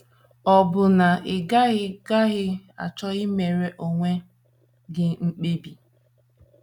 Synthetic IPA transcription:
ɔ˨bʊ˨na˨ɪ˨ɡa˦ɣɪ˦ɡa˦ɣɪ˦a̰˨t͡ʃɔ˦ɣɪ˦me˨ɾe˦ʔo˨ŋʷe˦ | ɡɪ˦ŋ͡m̩˦k͡pe˦bi˨

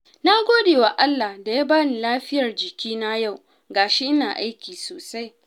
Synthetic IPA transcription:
na˦ɡʷoː˦deː˨wa˨ʔa˦lːa˨hda˨ja˦baː˦ni˨laː˦ɸɪ˦jɐ˨rd͡ʒɪ˨kʲʰiː˦na˦ja˦˨w | ɡaː˨ʃe˦ʔɪ˦naː˨ʔa˦jkʲiː˨soː˨sa˦j

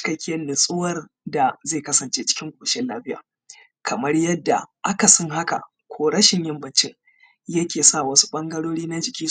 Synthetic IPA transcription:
t͡ʃkɐ˦kʲe˦nɪ˨sʼɪ˦wɐ˦r | da˨zeː˦˨kɐ˦sɐ˨nt͡ʃeː˦t͡ʃɪ̥˦kʲɪ˦ŋɡʷʊ˨ʃɛ˦laː˦ɸɪ˦ja̰ː˨ | kʰɐ˨mɐ˦rjɐ˦dːa̰˨ʔa˦ka˨sɔ˦ŋɦa˦ka̰˨ | kʷʰoː˦ɽɐ˦ʃɪ˨ɲjɪ˦mbɐ˨nt͡ʃɪ˦ŋ | jɐ˦kʲeː˨sa˦˨wɐ˦su̥˦ɓɐ˦ŋɡɐ˦ɽoː˦ɽiː˦na˦d͡ʒɪ˨kʲiː˦

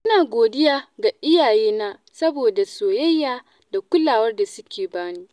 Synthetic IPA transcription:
ʔʔʊ˦naː˨ɡʷoː˨dɪ˦jaː˦ɡa˨ʔɪ˦jaː˨jeː˦naː˦sɐ˦boː˨da˨soː˨jɐ˦jːaː˨ | da˨kʷʊ˦laː˨wɐ˦rda˨sʊ˦kʲeː˨baː˦niː˦

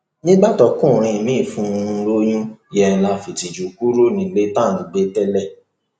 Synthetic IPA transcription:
nĩ˦ɡ͡ba˦˨tɔ˧˦kũ˦˨ɾ̃ĩ˧˨mĩ˦˨fũ˨˧˦ɾo˦j̃ũ˦jɛ̃˨˧˨la˧fi˨ti˨d͡ʒu˨ku˦ɾo˦nĩ˨le˦tã˦˨nũ˨ɡ͡be˨˦tɛ˦lɛ˦˨

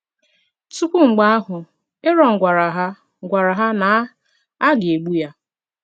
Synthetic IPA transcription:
tu˦kʷu˦ŋ͡m̩˨ɡ͡ba˦a˦ɦʊ˨ | e˦ɾɔ˨ŋ̩˨ɡʷa˨ɾa˨ɦa˦ | ɡʷa˨ɾa˨ɦa˦na˨˦ | a˦ɡɪ˨e˨ɡ͡bu˦ja˦

